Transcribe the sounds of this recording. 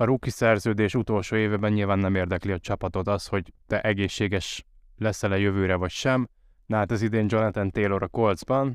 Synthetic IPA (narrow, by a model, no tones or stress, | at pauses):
ɒɾukːisɛrzøːd̪eːʃut̪o̞lʃoːeːvɛbɛɲɲilvaːnːɛmeːrd̪ɛkliɒt͡ʃɒpɒt̪o̞t̪ɒsho̞ɟt̪ɛʔɛɡeːʃːeːɡɛʃ | lɛsɛlɒjøvøːɾɛvɒcʃɛm | nɛɦat̪ɛzid̪eːɲd͡ʒo̞nɒt̪ɛnt̪eːlo̞ɾɒko̞ld̪zbɒn